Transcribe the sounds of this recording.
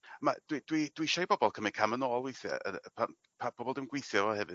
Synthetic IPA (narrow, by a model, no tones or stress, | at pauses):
ma̰d̥wid̥wid̥wiʃajbɔbɔlˠkʰəmɛkʰamənɔːlˠwejθjɛ̰ə̰pʰan | pʰabʰɔbɔlˠdɪwmnɡwejθjɔvɔhɛvɨ